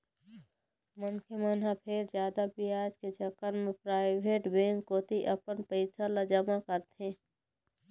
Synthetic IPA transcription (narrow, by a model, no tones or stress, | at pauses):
mənkʰemənɦapʰeɾd͡ʒjaːd̪abɪaːd͡ʒked͡ʒəkənmẽpɾaːɪbeːʈbẽːŋkːoːt̪iʔəpənpəɪsʰaləd͡ʒəmakəɾt̪ɦẽː